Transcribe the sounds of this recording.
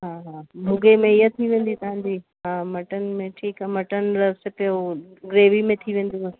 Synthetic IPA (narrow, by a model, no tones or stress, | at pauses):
ɦaːɦaːbʱʊɡemẽɪjət̪ʰiʋẽːn̆d̪it̪ɐɦãnd̪iː | ɦãːmɐʈənmẽʈʰiːkamɐʈənɾɐsepjo | ɡɾeːʋimẽt̪ʰiʋẽːn̆d̪is